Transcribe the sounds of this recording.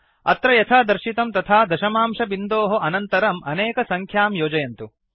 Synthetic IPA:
ɐ̰t̪ɾɐjɐt̪ʰaːd̪ɐɾʃit̪ɐmt̪ɐt̪ʰaːd̪ɐʃɐmaːmʃɐbind̪oːɦɐʔɐnɐnt̪ɐɾɐmɐneːkɐsɐŋkʰjaːmjoːd͡ʒɐjɐnt̪u

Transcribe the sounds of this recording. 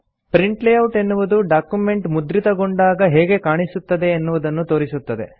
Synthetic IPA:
pɾiɳʈlejɐwʈe̞nːuʋud̪uɖaːkjume̞ɳʈmud̪ɾit̪ɐɡoɳɖaːɡɐɦɛːɡe̞kaːɳisut̪ːɐd̪e̞ːnːuʋud̪ɐnːut̪o̞ːɾisut̪ːɐd̪e̞̰

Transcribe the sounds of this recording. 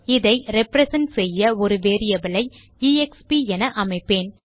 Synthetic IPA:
ɪðɐɪɾɛpɾɛsɛnʈsɛjːɐɔɾɯʋeːɾɪjɐbɪlɐɪ | iːɛkspiɛnɐʔɐmɐɪpːeːn

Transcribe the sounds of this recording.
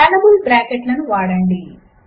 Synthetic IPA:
anɐmulʈɾaːkeʈlɐnuʋaːɽɐɳɖi

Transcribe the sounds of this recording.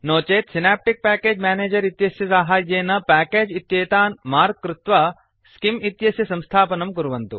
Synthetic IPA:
noːt͡ʃeːt̪sinaːp̚ʈik̚pæːkeːd͡ʒmaːneːd͡ʒɐɾit̪jɐsjɐsaːɦaːjːeːnɐpæːkeːd͡ʒit̪jeːt̪aːnmaːɾkːɾɪt̪ʋa | skimit̪jɐsjɐsɐmst̪ʰaːpɐnɐmkuɾuʋɐnt̪ṵ

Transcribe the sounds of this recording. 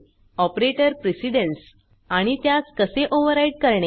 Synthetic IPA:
ɔpɾeʈəɾpɾesiɽəns | aɽ̃it̪jat͡skəseʔoʋəɾaiɖ̚kəɾɳe

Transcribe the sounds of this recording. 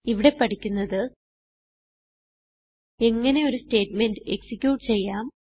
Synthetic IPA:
iʋiɽe̞pɐʈʰikʲːunːɐðɨ | e̞ŋːɐne̞o̞ɾusteːʈme̞ndɨeksikʲjuːʈɨt͡ɕe̞jːaːm

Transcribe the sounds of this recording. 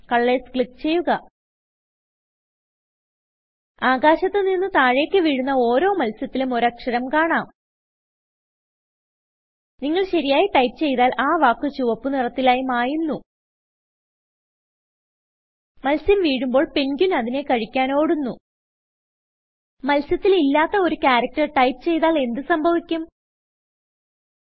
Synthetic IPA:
kɐɭːeskɭikːt͡ɕe̞jːuɣɐ | aːɡaːɕɐt̪ːeninːut̪aːɻe̞ːkʲːɨʋiːɻunːɐo̞ːɾo̞ːmɐlsjɐt̪ːilumoɾɐkʂɐɾɐmkaːɳaːm | niŋːɐɭɕɐɾijaːjiʈɐjpɨt͡ɕe̞jt̪aːlaːʋaːkːɨt͡ɕuːʋɐpːɨnirɐt̪ːilaːjumaːjunːu | mɐlsɐmʋiːɻumbo̞ːɭpenɡʲunɐðine̞kɐɻikʲːaːno̞ːɽunːu | mɐlsjɐt̪ːililːaːt̪ːɐo̞ɾukʲaːɾɐk̚ʈɐrʈɐjpɨ̥t͡ɕe̞jt̪aːle̞nd̪ɨsɐmbʱɐʋikʲːum

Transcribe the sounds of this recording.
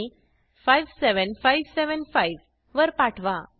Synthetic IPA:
i | fajʋseʋənfajʋseʋənfajʋ | ʋəɾpaʈʰʋa

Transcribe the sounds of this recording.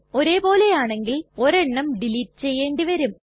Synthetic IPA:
o̞ɾe̞ːpo̞ːle̞jaːɳe̞ŋɡilo̞ɾeɳːɐmɖiliʈːɨ̥t͡ɕe̞jːe̞ːɳɖiʋɐɾum

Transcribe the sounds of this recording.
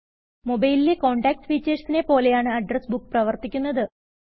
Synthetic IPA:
mo̞bɐjlileko̞ːɳɖaːk̚sʋiːt͡ɕːeːʂsinepo̞ːle̞jaːɳɨɐɖrɐsbukːprɐʋɐrt̪ikʲːun̪ːɐðɨ

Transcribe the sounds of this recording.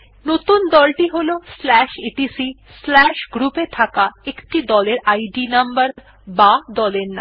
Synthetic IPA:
not̪und̪ɔlʈiɦoloslɛʃeʈisislɛʃɡɾupet̪ʰakaekʈid̪ɔleɾajɖinambaɾ | bad̪ɔleɾna̰

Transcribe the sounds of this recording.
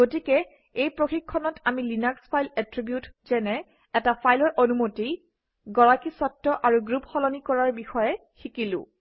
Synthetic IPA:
ɡotikɛ | ejpɹoxikʰːɔnɔtʰamilinakspʰajlɛtɹibjutzɛnɛ | ɛtapajlɔɹʔonumotij | ɡɔɹakisɔtːɔʔaɹuɡɹupxɔlɔnikɔɹaɹbixɔjɛ | xikilʊ̰̃

